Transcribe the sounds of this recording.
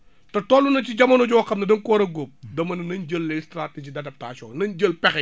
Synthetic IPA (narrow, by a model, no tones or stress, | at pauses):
tɐtɔːlːunɐt͡ʃiɟɐmɐnɔɟɔwxɐmnɐdɐŋkɔːɾɐɡop̚dɐmɐnɐnɐnɟəlːɛstɾated͡ʒidɐtɐp̚taːt͡ʃɔːnɐnɟəlpɛxɛ